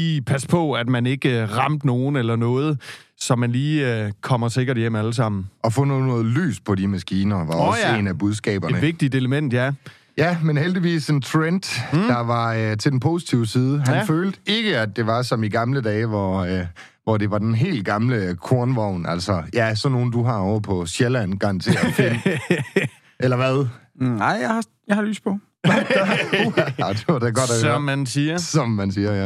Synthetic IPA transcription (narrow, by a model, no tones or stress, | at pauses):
ipʰæspʰɒ̽æd̥mæne̝ɡ̥əʁɑ̈m̰d̥no̝ːn̩elɐnɔ̽ːð̞̩ˠsɒ̽mænliːkʰɒ̽m̰ɐse̝ɡ̥ɐɾ̥jem̰æləs̬ɑ̈m̰n̩ɒ̽fɔ̰̽nɔːðˠnɔːð̩ˠly̰ːspʰɒ̽dimæsɡ̥iːnɐʋɑ̈ɒsjenæb̥uð̞ˠsɡ̥ɛ̰ːb̥ɐnenə̥ʋe̝ɡ̥̚d̥id̥e̝ləmen̰d̥jæ | jæmenheld̥iʋḭːse̝nt͡sʰʁend̥d̥ɑ̈ʋɑ̈t͡sʰe̝lden̩pʰo̝si̥t͡sʰiʊəsiːð̞ˠəɦænføːld̥əe̝ɡ̥əæd̚d̥e̝ʋɑ̈sɒ̽miɡ̥ɑ̈mləd̥ɛːɪʋɒ | ʋɒde̝ʋɑ̈d̥enɦe̝̰ːlɡ̥ɑ̈mləkʰo̝ɐnʋɒʊ̰næl̰sɒjæsɒ̽no̝ːn̩d̥uɦɑ̈ɒʊɐpʰɒ̽ɕjelæn̰ɡ̥ɑŋ̰t͡sʰe̝fen | ʔelɐʋæðˠ | ɑɪ̰jahɑ | jɑ̈hɑly̰ːspʰɔ̽ | d̥eɐd̥eɡ̥ɒ̽d̥æmːænsiːɐsɒ̽mːænsiːɐjæ